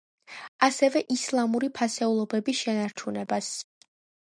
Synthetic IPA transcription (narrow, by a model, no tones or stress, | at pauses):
asɛvɛʔislˠamuɾipʰasɛulˠɔbɛbisʃɛnaɾt͡ʃʰunɛbas